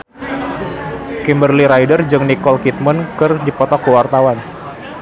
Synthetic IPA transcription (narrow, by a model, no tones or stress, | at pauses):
kimbərliɾajdərd͡ʒɨŋnikɔlkit̪̚mənkɨrdipɔt̪ɔkːəwart̪awan